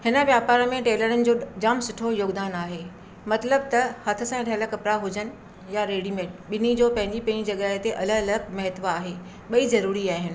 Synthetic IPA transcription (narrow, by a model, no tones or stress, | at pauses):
hɪnə̆ʋjaːpaːɾəmẽʈeːləɾənɪ̆d͡ʑoːd͡ʑaːmsʊʈʰojoːɡd̪aːnaːɦeː | mɐt̪ləb̚t̪ɐhɐt̪ʰʊ̆sãɪɽəɐləɡkɐpɾaɦʊd͡ʑənɪ̆ | jaɾeːɽimẽːɓɪnid͡ʑoːpɐ̃ɦɪ̃ɲd͡ʑipɐ̃id͡ʑɐɠəɦet̪eʔɐləɡɐləɡ̚mɐɦɪt̪ʋaːɦe | ɓɐizɐɾuːɾiaːɦɪnɪ̆